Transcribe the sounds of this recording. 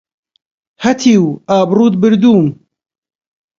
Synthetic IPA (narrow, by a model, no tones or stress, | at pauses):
hɐt̪ʰiːwaːbruːd̪̚bɨɾd̪uːm